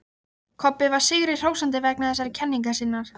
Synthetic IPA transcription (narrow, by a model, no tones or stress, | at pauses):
kʰɔpːɪvaɾ̥sɪɣɾɪr̥owsant̪̬ɪvɛknaθɛsaɾɪcʰɛnːiŋkasɪnːaɾ̥